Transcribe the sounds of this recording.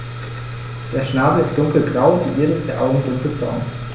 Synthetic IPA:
d̥eːɐʃnaːbəɪst̚d̥ʊŋkl̩bʁaʊdiːʔeːɐdɾəɪstd̥eːɐʔaʊɡŋ̩dʊŋkl̩bʁa̰ʊn

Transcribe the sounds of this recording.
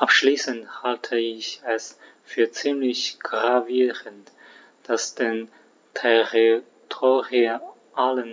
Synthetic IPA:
ʔapʃliːsənthaltʰəɪçɛs | fyːɐt͡siːmlɪçɡ̥ʁaviːʁənt | d̥asd̥en | tʰɛʁi | tʰoːʁiə | ʔalən

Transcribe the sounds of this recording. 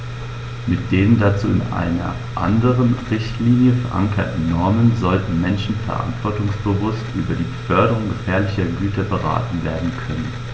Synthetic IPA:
mɪt̚d̥eːʁəndat͡suːɪnʔa̰ɪnɐ̰ | ʔa̰ndəʁənʁɪçtliːnjəfɛɐʔa̰ŋkʰɐtn̩nɔɐmənzɔltn̩mɛnʃn̩fɛ̰ɐʔa̰ntv̥ɔɐtʊŋsb̥əvʊstʔyːbɐdiːbəfœɐdəʁʊŋɡəfɛːɐlɪçɐɡyːtʰɐbəʁa̰ːtn̩veːɐdn̩kʰœnən

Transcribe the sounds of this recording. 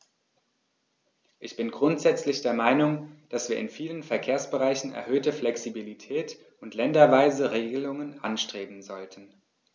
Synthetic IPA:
ʔɪçb̥ɪnɡʁʊntz̥ɛt͡slɪçd̥eːɐmaɪnʊŋd̥asv̥iːɐɪnfiːlənfɛɐkʰeːɐsb̥əʁaɪçn̩ɛ̰ɐɦøːtəflɛksibilitʰɛːt | ʊntʰlɛndɐvaɪzəʁeːɡəlʊŋənʔa̰nʃtʁ̥eːbm̩zɔltʰən̩

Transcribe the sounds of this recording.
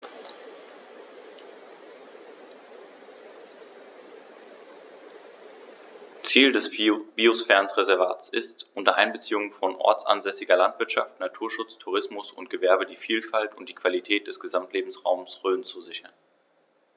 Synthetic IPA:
t͡siːldɛsb̥iosfɛɐnsʁezɛɐva̰ːt͡sɪstʔʊntɐʔa̰ɪnbət͡siːʊŋənfɔnʔɔ̰ɐt͡sʔa̰nzɛsɪɡɐlantv̥ɪɐtʃa̰ftnatʰuːɐʃʊt͡stʰuʁɪsmʊsʊ̰ntɡ̥əvɛɐbədiːfiːlfaltʊnt̚d̥iːkv̥alitʰɛːt̚d̥ɛsɡ̥əzamtleːbm̩sʁa̰ʊmsʁøːnt͡suzɪçɐn

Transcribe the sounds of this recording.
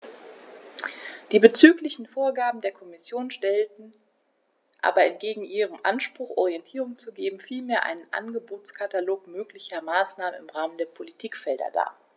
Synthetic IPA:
d̥iːbət͡syːklɪçn̩foːɐɡaːbm̩deːɐkʰɔmɪsjoːnʃtɛltn̩ | ʔa̰ːbɐɛntɡ̥eːɡŋ̩ʔiːʁ̞əmʔa̰nʃpʁ̥ʊxʔɔ̰ʁiɛntʰiːʁʊŋt͡suɡeːbm̩fiːlmeːɐʔa̰ɪnənʔa̰nɡəboːt͡skʰataloːkmøːklɪçɐmaːsnaːmənɪmʁaːməndeːɐpʰolitʰiːkfɛldɐ̰da̰ːɐ

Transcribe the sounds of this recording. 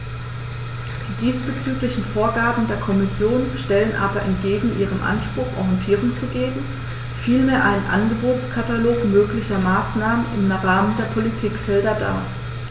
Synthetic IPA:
d̥iːdiːsb̥ət͡syːklɪçn̩foːɐɡaːɐbm̩deːɐkʰɔmɪsjoːnʃtɛlənʔaːbɐʔɛntɡ̥eːɡŋ̩ʔiːʁ̞əmʔa̰nʃpʁ̥ʊxʔɔ̰ʁjɛntʰiːʁ̞ʊŋt͡suɡeːɡŋ̩ | fiːlmeːɐʔaɪnənʔa̰nɡəboːtt͡skʰataloːkmøːklɪçɐmaːsnaːmənɪ̰mʁaːməndeːɐpʰɔlitʰiːkfɛldɐda̰ː

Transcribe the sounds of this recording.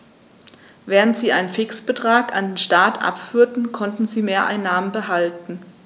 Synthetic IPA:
vɛːʁ̞əntz̥iːʔaɪnənfɪksb̥ətʁ̥aːkandeːnʃtaːtʰʔa̰pfyːɐtn̩kʰɔntn̩ziːmeːɐʔa̰ɪnːaːmənbəɦaltn̩

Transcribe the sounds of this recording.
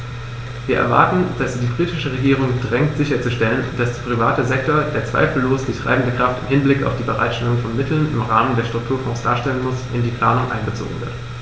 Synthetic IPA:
viːɐʔɛ̰ɐva̰ɐtn̩d̥asz̥iːdiːbʁiːtɪʃəʁ̞eɡiːʁ̞ʊŋdʁɛŋtz̥ɪçɐt͡suʃtɛlənd̥asd̥eɐpʁ̥iva̰ːtəzɛk̚toːɐdeːɐt͡sv̥a̰ɪfl̩loːsd̥iːtʁ̥a̰ɪbm̩dəkʁ̥aftɪmhɪnblɪka̰ʊfd̥iːbəʁa̰ɪtʃtɛlʊŋfɔnmɪtl̩nɪmʁaːməndeːɐʃtʁ̥ʊk̚tʰuːɐfɔ̃ːsd̥aːɐʃtɛlənmʊsʔɪndiːpʰl̥aːnʊŋʔa̰ɪnɡət͡so̰ːɡŋ̩vɪ̰ɐt

